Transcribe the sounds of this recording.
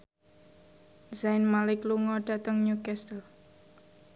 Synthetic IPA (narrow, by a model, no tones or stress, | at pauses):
zaɪnmalɪkluŋɔɖ̥a̤t̪əŋɲukɛst̪əl